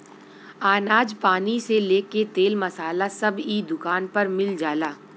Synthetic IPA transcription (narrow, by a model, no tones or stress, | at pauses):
aːnaːd͡ʒpaːniseleːket̪eːlmɐsaːlasɐbid̪ʊkaːnpɐɾmɪld͡ʒaːlaː